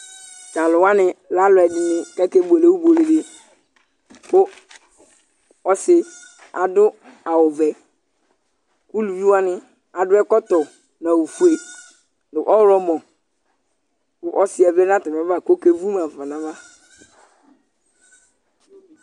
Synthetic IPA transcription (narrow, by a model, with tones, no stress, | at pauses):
tã˨lʊ˨wa˦nɪ̃˨la˦lʊ˨ɛ˨dɪ˨nɪ̃˨kɛ˦ke˦bo˨le˨u˦bo˨le˨le˨ | kʊ˦ | ɔ˦sɪ˦ | a̰˨dʊ˦ | a˨wʊ˨vɛ˨ | ku˦lu˨bi˦wa˦nɪ̃˦ | a˨dʊ˦ɛ˦kɔ˦tɔ˨ | nã˨wu˨fu˦e˨ | lɪ˨ʔɔ˦wɾɔ˦mɔ̃˨ | kʊ˦ʔɔ˦sɪ˦ɛ˨vɛ˦nã˦tɪ˨m˨ɛ̃˨˦va˦˨ko˦ke˦vu˦mã˨va˨nã˨va˦